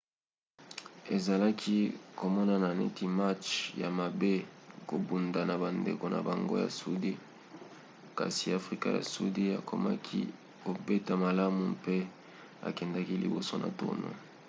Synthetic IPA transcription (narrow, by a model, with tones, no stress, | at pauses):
e˨za˨la˦kʰi˦ko˨mɔ˦na˨na˨nḛ˦ti˦ma˦t͡ʃja˨ma˨be˦ko˨bu˨nda˨na˨ba˨ndḛ˨ko˨na̰˨ba˨ŋɡo̰˦ja̰˨su˦di˦ | ka̰˨si˨a˨fʁi˦ka̰˦ja̰˨su˦di˦a̰˨kʰo˨ma̰˦kʰḭ˦ | ko˨be˦ta˨ma˨la˦mu˨pe˦ | a̰˨kɛ˨nda˦ki˦lḭ˨bo˨so˦na̰˨to̰˦no̰˨